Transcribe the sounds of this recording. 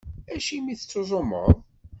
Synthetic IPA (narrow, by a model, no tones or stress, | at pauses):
æʃimiθət͡sːozˤomə̰ðˤ